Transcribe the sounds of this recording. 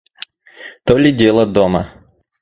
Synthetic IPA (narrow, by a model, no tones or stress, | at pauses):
t̪olʲɪdʲelˠɐd̪ɔmɐ̰